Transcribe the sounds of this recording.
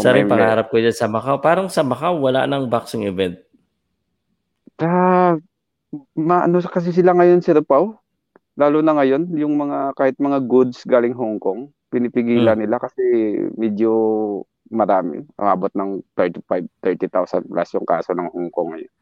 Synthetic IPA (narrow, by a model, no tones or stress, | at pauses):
saɾɛpɐɡaaɾap̚kod͡ʒansɐmɐkawpaːɾɐŋsɐmɐkawːɐla̰ʔnɐŋbaksoŋɪvɛnt̪̚ | ta | maʔɐnokɐs̬ɛs̬ɪlaŋɐjonsɛɾpaw | laːlʊnɐŋɐjo̞njʊŋmɐŋakaːhɪt̪̚mɐŋaɡʊd̪̚sɡaːlɪŋɦʊŋkoŋ | pɪnɪpɪɡiːlɐnːɪlakɐsɛmɛd͡ʒo | mɐɾaːmɪ̰ʔʊ̰ʔaːbot̪̚nɐŋt̪ɛɹt̪ɪpajb̚t̪ɛɹt̪ɪt̪awsɐ̰n̚plʔa̰sjʊŋka̰ːsonɐŋhʊŋkoŋːɐ̰jo̰n